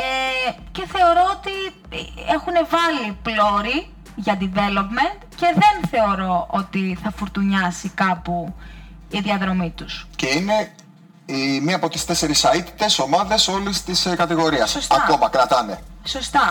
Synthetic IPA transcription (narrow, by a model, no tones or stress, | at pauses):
e | ce̞θe̞o̞ɾo̞ot̪i | e̞xune̞vɐliplo̞ɾi | ʝɐd̪ive̞lo̞pme̞nt̪ce̞ðe̞nθe̞o̞ɾo̞ʔo̞t̪iθɐfuɾt̪uɲɐsikɐpu | iðiɐðɾo̞mit̪usce̞ine | imiɐpo̞t̪i̥st̪e̞se̞ɾisɐit̪i̥t̪e̞so̞mɐðe̞so̞list̪iskɐt̪iɣo̞ɾiɐsostɐɐko̞mɐkɾɐt̪ɐne̞so̞st̪ɐ